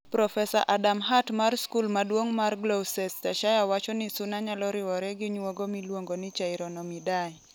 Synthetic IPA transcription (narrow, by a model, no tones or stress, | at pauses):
pɾɔfɛsa̰ʔadamɦatmarskulmadwoŋmarɡlowsɛstaʃajawat͡ʃɔnɪsʊnaɲalɔɾɪwɔɾɛɡɪɲwoɡomilwoŋɡonɪt͡ʃaɪɾɔnɔmidaj